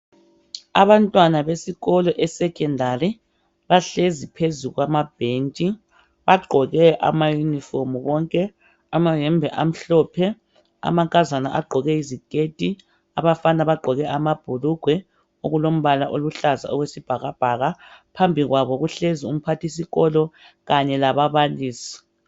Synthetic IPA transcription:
aβantʼwanaβesiɣɔlɔʔɛsɛkʼɛndʱari | βaɬezipʰezuɣwamab̥ʱent͡ʃʼi | βaɡ͡ǃʱɔɣɛʔa̰majuniformuβɔŋkʼɛ | amaɦɛmbʱɛʔam̩ɬɔpʰɛ | a̰maŋkʼazanaʔa̰ɡ͡ǃʱɔɣɛizikʼetʼi | aβafanaβaɡ͡ǃʱɔɣɛʔamab̥ʱuluɡ̥ʱwɛ | oɣulom̩βalaʔoluɬaza̰ɔɣwesib̥ʱaɣab̥ʱaɣapʰambʱiɣwaβɔɣuɬezium̩pʰatʰis̬iɣɔlɔ | ɣaɲɛlaβaβaliːsi̥

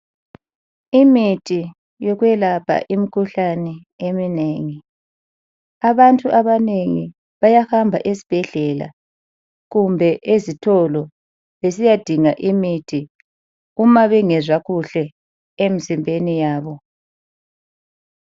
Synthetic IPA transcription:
imitʰi | jɔɣwɛlapʰa̰ʔimikʰuɬanɛ | emineːŋi | aβantʼuʔaβaneŋḭ | βajahambʱa̰ʔesi̥b̥ʱɛɮɛla̰ | ɣumbʱɛʔezitʰɔlɔ | βesijad̥ʱiŋaʔimitʰi | umaβɛŋɛzwaɣuɬɛ | emizimbʱenijaːβɔ

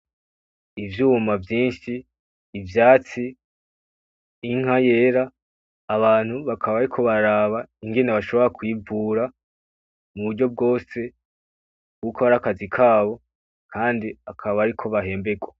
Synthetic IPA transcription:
ivjuːmavjiːnʃiː | vjaːt͡si | ŋ̥haje̞ːɾaː | βaːn̥huβakʰaβaβaɾikʰo̞βaɾaβaiŋɡe̞neβaʃo̞βo̞ɾakwiːvuːɾa | muβuɾɟo̞b̚ɡo̞ːse̞ | kuːkoβaɾakazikʰaːβo̞ | kʰaːndiakʰaββaβaɾikʰo̞βaɦe̞ːmbe̞ɡwa

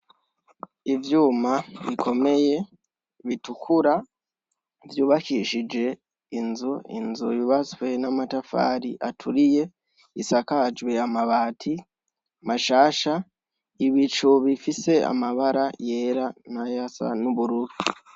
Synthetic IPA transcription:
ivjuːmaβikʰo̞me̞je̞ | βitukʰuɾa | vjuːβakiʃid͡ʒe̞ | inzuḭnzujuβat͡swe̞namatafa̰ːɾiʔatʰuɾije̞ | isakad͡ʒwe̞amaβaːtʰi | maʃaːʃa | iβit͡ʃuβifise̞a̰maβaɾaje̞ːɾanajasa̰nuβuɾuɾu

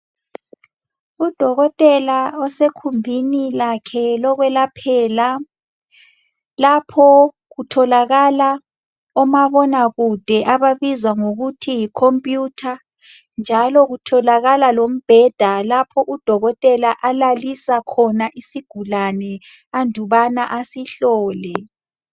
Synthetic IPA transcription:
ud̥ʱɔɣɔtʼɛlaɔsekʰumbʱinilakʰɛlɔɣwɛlapʰɛːla | lapʰɔ | ɣutʰɔlaɣala | ɔmaβɔnaɣud̥ʱɛʔaβaβizwaŋoɣutʰijikʰompʼjutʰa | nd͡ʒʱalɔɣutʰɔlaɣalalom̩b̥ʱɛd̥ʱalapʰɔʔud̥ʱɔɣɔtʼɛlaʔalalisakʰɔnaʔisiɡ̥ʱulanɛ | andʱuβanaʔasiɬɔːlɛ

